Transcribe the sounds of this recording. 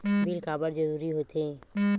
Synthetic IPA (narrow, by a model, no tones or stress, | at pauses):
bʱilkaːbəɾd͡ʒəɾuːɾiɦot̪ẽ